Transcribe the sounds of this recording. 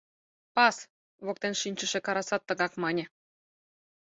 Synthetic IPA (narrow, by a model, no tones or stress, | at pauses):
pɑs | βok̚t̪enʃinʲt͡ɕə̆ʃĕkɑɾɑsɑt̪ːɤ̆ɣɑkmɑnʲĕ